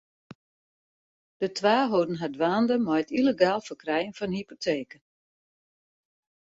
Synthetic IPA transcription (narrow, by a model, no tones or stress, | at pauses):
d̥ətʋaːɦoːdn̩ɦadʋaːndəmɔjətiləɡaːlˠfərkrɛjənfɔnhipotʰeːkə